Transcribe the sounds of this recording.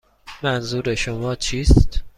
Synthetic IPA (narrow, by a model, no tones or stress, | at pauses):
mænzuːɾeʃomɒːt͡ʃʰiːst̪